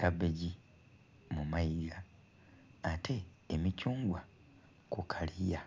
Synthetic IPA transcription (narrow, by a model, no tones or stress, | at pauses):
kabeɟi | mumajiɡaː | tʰe̞ː | micuːŋɡwa | kukʰalija